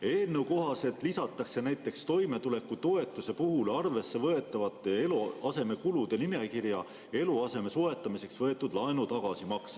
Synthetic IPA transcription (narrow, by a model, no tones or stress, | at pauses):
e̞ːlneuko̞ɦɑse̞t̪ˑlisɑt̪ːˑɑkse̞næjt̪ːˑe̞kst̪o̞jme̞t̪ule̞kːut̪o̞e̞t̪ːˑuse̞puɦulɑrve̞sːe̞vɤe̞t̪ˑːɑvɑt̪ːˑeeluɑse̞me̞kulud̪̥e̞nime̞kirjɑ | e̞luɑse̞me̞soe̞t̪ːˑɑmise̞ksvɤet̪ːˑud̪lɑenut̪ɑɡ̥ɑsimɑks